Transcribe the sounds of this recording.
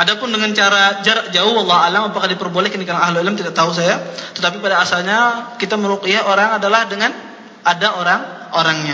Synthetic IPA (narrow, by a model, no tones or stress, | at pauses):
adapʊndəŋant͡ʃaɾad͡ʒaɾaʔd͡ʒaʊhwɑlˠˤːɑhalamapakadipərbolɛhkənikalaŋaɦlʊɪlmt̪idaʔt̪aus̬ajat̪ət̪ap̬ipadaːsalɲakit̪aməɾokijaoɾaŋadalahdəŋan | adaoɾaŋ | oɾaŋɲa